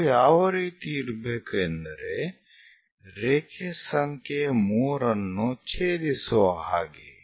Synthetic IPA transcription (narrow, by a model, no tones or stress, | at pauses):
jaːʋɾit̪iːɾbekend̪ɾe | ɾeːkʰesɐŋkemuɾɐnːõt͡ʃʰeːd̪isoaɦa̰ːɡḛː